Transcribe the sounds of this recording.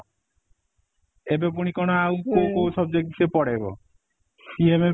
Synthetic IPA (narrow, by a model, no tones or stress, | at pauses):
ebepuñikonoawkokowsɔb̚d͡ʑek̪̚isepɔɽebo̰ | sieme